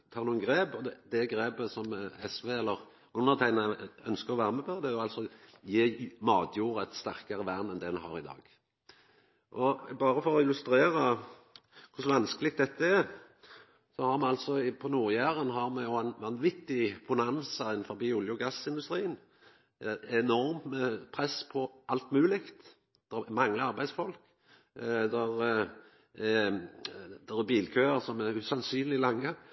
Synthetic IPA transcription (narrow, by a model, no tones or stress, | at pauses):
t̪ʰɑːɾnuːənɡʁeːbɔd̪ɛd̪ɛɡɾeːbəsɔmɛsʋeːɛlːəʁ | ʊnːəʁt̪ʰæɪnəœnskəʁɔʋæːʁəmɛpʰɔd̪ɛjʊɑlsɔjeːmɑːd̪juːʁəɛt̪st̪æʁkəʁəʋæʁnɛnd̪ɛd̪ɛnhɑ̰ːʁɪd̪ɑ̰ːɡ | ʔɔbɑːʁəfɔʁɔɪlʉst̪ɾeːʁə | kʰʊsʋɑnskəlɪɡ̚t̪̚d̪ɛt̪ːəɛɾ | sɔhɑʁmɛɑlsɔɪpʰɔnuːɾjæːʁənɦɑɾmɛjʊɛnʋɑnʋɪt̪ːɪb̥ʊnɑnsəɪnn̩fɔɾbiːʊljʊɡɑsɪnd̪ʉst̪ɾiːən | ɛnɔɾməpʰʁɛspʰɔʔɑlt̪mʉːlɪkt̪ | d̪̥ɛmɑŋːləɑɾbæɪsfɔlk | d̪ɛɾ | d̪ɛʁɛbiːlkʰøːəɾsɔmɛɾʉsɑnsyːnlɪlɑŋːə